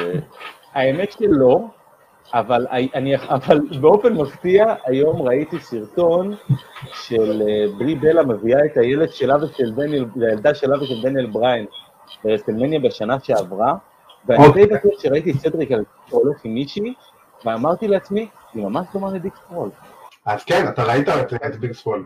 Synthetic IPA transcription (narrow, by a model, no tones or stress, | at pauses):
e | ae̞me̞tʃelo̞ | avalaʔaniaavalbeo̞fe̞nmaftiaʔajo̞mʁaitisiʁto̞nʃelbʁibe̞lame̞viae̞t̪aje̞ledʃe̞laveʃelbeneltajald̪aʃelaveʃeldenjelbʁajen | beʁeselmenjabeʃanaʃe̞avʁa | veatejbatetʃeʁaitisedʁikalkitoloχimiʃi | veamaʁt̪ileat͡smi | nimamaʃdomalediksfolaz̥kenat̪aʁait̪aetiaetdiksfol